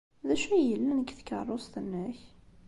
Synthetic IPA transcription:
ðæʃæjəlːænəkθkə̰rˤːost̪ənːəç

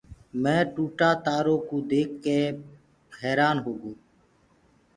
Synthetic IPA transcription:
mɛ̃ːʈuːʈaːt̪aːɾõːkuːd̪eːkːeː | ɦɛːɾaːnɦoːɡoː

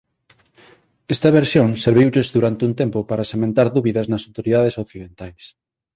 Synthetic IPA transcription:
ɛst̪ɐβeɾsjõŋseɾβ̞iwʎezðuɾant̪ɪunt̪empopaɾɐsemẽnt̪aɾðuβiðɐznɐsawt̪oɾiðað̞esokθiðent̪ajs

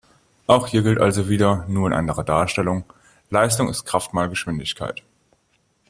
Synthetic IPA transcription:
ʔaʊxhiːɐɡɪltʔalzoviːdɐnuːɐɪnʔa̰ndəʁɐdaːɐʃtɛlʊŋ | laɪstʊŋɪ̰st̚kʁ̥aftmaːlɡəʃv̥ɪndɪçkʰa̰ɪt

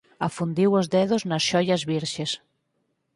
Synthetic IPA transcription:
afund̪iwozðɛðoznɐsʃɔjɐzβiɾʃes

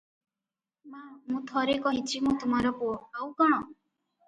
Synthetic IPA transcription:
mamũt̪ʰɔɾekɔɦit͡ʃʰimũt̪um̤aɾɔpoawkaɽ̃ɔ

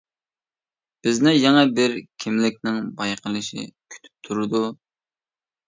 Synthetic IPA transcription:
b̥ɪznɪjɛŋɛbɪɾkʲʰɪmlɪk̚ʲnɪŋbɑjqəlˠɨʃḭkʲʰy̥t̪ʰy̥p̚t̪ʰuɾɨd̪u

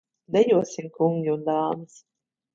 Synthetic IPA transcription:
d̪ɛjuɔsimkuŋɡʲiund̪aːmɨs

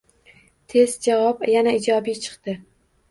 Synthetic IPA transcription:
t̪ʰe̞zd͡ʒavɒpjanaɪd͡ʒɒbijt͡ʃʰɨ̥qt̪ɪ

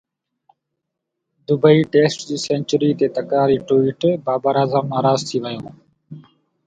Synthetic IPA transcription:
d̪ʊbəiːʈeːsʈd͡ʑiːsẽːnt͡ʃəɾiːt̪eːt̪əkɾaːɾiːʈuːiːʈbaːbəɾaːzaːmːaːɾaːzt̪ʰiːʋəjõː

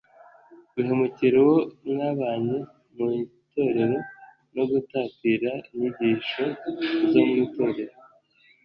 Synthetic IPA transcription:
ɡuɦemuciɾewo̞naβaːɲe | mu | to̞ɾe̞ɾo̞ | no̞ɡutaːtiɾaiɲuɟiʃo̞zomŋito̞ːɾe̞ɾo

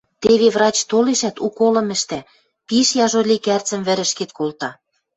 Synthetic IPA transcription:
t̪eβeβrɑt͡ɕt̪oleʃæt̪ukolɤ̆mɘ̆ʃt̪æ | piʃjɑʒolʲikært͡sə̆mβɘ̆ɾə̆ʃket̪kolt̪ɑ

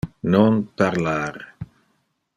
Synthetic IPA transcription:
nonpaɾlaɾ

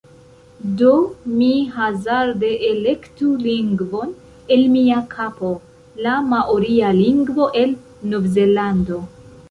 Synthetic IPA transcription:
do̞miɦazaɾde̞ʔele̞ktuliŋɡvo̞n | e̞lmiakʰapo̞ | lamaʔoɾialiŋɡvo̞ʔe̞l | novzelando̞

